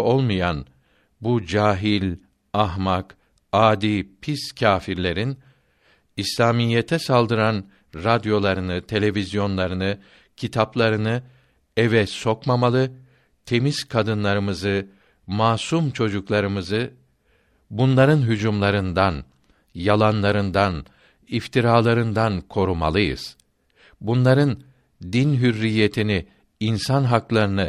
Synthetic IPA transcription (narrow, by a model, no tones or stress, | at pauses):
olˠmujan | bud͡ʒaːɦilʲ | aɦmak | aːd̪ipʰiscʰaːfiɾlʲe̞ɾin | islʲaːmijːet̪ʰɛsalˠd̪ɯɾan | ɾad̪jo̞lˠaɾɯnɯt̪ʰe̞lʲe̞vʲizjo̞nlˠaɾɯnɯ | cʰit̪ʰaplˠaɾɯnɯ | ɛvɛso̞kmamalˠɯ | t̪ʰe̞miz̥kʰad̪ɯnlˠaɾɯmɯzɯ | maːsumt͡ʃʰo̞d͡ʒuklˠaɾɯmɯzɯ | bunlˠaɾɯnɦyd͡ʒumlˠaɾɯnd̪an | jalˠanlˠaɾɯnd̪an | ift̪ʰiɾaːlˠaɾɯnd̪ankʰo̞ɾuma̰lˠɯjɯ̰z̥ | bunlˠaɾɯn | d̪inɦyɾːije̞t̪ʰini | insanɦaklˠaɾɯnɯ